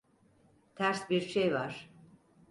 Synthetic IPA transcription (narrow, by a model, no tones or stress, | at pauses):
t̪ʰæɾsbiɾʃejvaɾ̥